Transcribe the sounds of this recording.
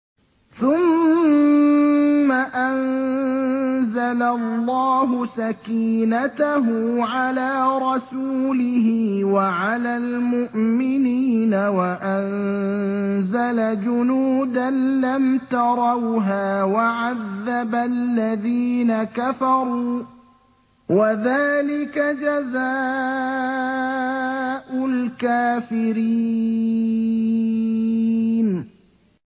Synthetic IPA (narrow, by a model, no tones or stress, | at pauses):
θʊm | aʔan | zalalːɑːɦʊsakiːnat̪aɦuʕalaːɾˤɑsuːlɪɦɪwaʕalaːlmʊʔmɪniːnawaʔan | zalad͡ʒʊnuːd̪anlamt̪ɑɾˤɑwɦaːwaʕaðːabalːaðiːnakafɑɾˤuː | waðaːlɪkad͡ʒazaː | ʔʊlkaːfɪɾi | n